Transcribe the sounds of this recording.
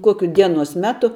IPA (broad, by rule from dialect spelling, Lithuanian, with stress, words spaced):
ˈkoːkʲʊ ˈdʲiɛnoːs ˈmʲæːtʊ